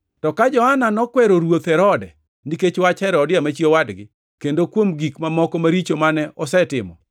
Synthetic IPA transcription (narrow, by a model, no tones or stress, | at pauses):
tɔkad͡ʒɔhananɔkwɛɾoɾwot̪ɛɾɔdɛ | niket͡ʃwat͡ʃhɛɾɔdɪamat͡ʃiewadɡɪ | kendokwomɡikmamɔkɔmaɾit͡ʃomanɛʔɔsɛtɪmɔ̰